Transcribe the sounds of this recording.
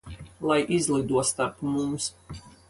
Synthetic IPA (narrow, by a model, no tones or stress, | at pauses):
lˠajʔizlˠid̪uɔst̪aɾpmums